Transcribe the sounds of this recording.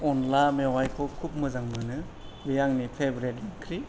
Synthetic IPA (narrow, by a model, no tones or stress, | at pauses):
ɔnlamewajkʰɔkʰup̚mɯzaŋmɯnɯbijaŋnipʰebɾetnakʰɾi